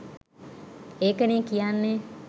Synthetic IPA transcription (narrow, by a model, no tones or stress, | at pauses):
eːkəniːkijanːe